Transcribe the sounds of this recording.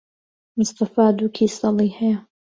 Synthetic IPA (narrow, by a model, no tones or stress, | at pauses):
mɨst̪afaːd̪ukʰisˤɑlˤiːħaja